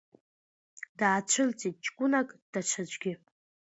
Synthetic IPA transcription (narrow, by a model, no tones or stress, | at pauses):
d̥aːt͡ʃʷʰɨlt͡sʼit̚t͡ʃʼkʷʼʊnakʼd̥at͡ʃʷʰad͡ʒʷɡʲɪ